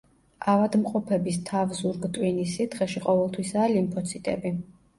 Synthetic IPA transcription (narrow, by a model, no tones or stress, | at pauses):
avad̪mqʼɔpʰɛbist̪ʰavzuɾɡt̪ʼwinisit̪ʰχɛʃiqʼɔvɛlˠt̪ʰwisaːlimpʰɔt̪sʰit̪ʼɛbi